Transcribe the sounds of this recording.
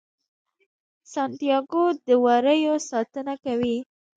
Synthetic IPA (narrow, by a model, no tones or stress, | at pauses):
sɑnt̪ijɑɡod̪əwaɾəjosɑt̪ənakawi